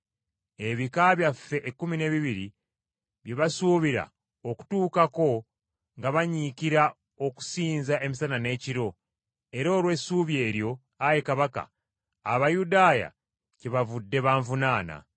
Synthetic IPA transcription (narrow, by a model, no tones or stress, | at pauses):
e̞βikaβjafːe̞ʔekːumine̞βiβiɾi | βjeβasuβiɾa̰ | oku̥tuːkako̞ | ŋɡaβaɲikiɾa | o̞ku̥siːnzae̞misanane̞ːciɾo̞ | e̞ɾo̞ːlwe̞ːsuːβje̞ːɾjo̞ | ajekaβaka̰ː | βajudaːja̰ | ciβavudːe̞βaːɱvunaːna̰